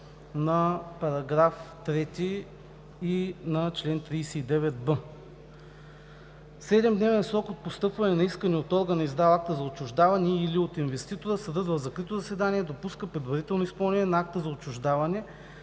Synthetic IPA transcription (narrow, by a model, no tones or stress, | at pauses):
nɐpɐɾɐɡɾaft̪ɾɛt̪i | inɐt͡ʃlɛnt̪ɾijsɛid̪ɛvɛt̪̚bɤ | sɛd̪ɛmd̪nɛvɛnsɾɔkot̪̚post̪ɤpvɐnɛnɐiskənɛot̪ɔɾɡənɐizd̪avˠak̚t̪əzɐot͡ʃːʊʒd̪avɐnɛiliot̪invɛst̪it̪oɾəsɐd̪əd̪vɐzɐkɾit̪ozɐsɛd̪anʲiɛd̪opuskəpɾɛd̪vɐɾit̪ɛlˠnoispɐlˠnɛnʲiɛnɐak̚t̪əzɐot͡ʃːʊʒd̪avɐnɛ